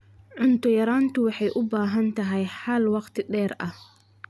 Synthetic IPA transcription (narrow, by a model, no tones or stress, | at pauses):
ʕʊnt̪ʰɔjɐɾaːnt̪ʰʊwɑħɑjʔʊbaːɦɐnt̪ʰɐɦɛjħɐlwɑqt̪ʰɪɖɛːɾʔɐh